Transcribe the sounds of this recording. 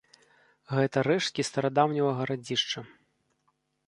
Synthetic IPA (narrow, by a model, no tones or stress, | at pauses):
ɣɛt̪ɐɾɛʂt̪̚kʲist̪ɐɾad̪awnʲɐvɐɣɐɾad͡zʲiʂt͡ʂɐ